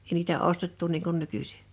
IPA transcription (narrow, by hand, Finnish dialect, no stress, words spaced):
eˑi niːtæ ostetːu niːŋ kun nykysi̥